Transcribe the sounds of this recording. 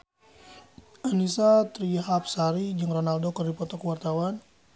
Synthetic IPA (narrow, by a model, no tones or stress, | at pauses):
ʔanisat̪ɾiɦap̚saɾid͡ʒɨŋronaldokɨrdipɔt̪ɔkəwart̪awan